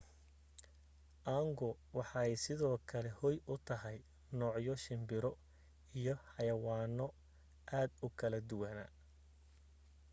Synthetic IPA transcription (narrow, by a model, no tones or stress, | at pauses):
ʔaːŋɡɔ | wɑħɑɛjsɪðɔːkʰɐlɛhɔjʊt̪ʰɐɦɛj | nɔːʕjɔʃɪmbɪɾɔ | ijɔħɑjɐwaːnɔ | ʔaːd̪ʊkʰɐlɐd̪ʊwɐnɐ̰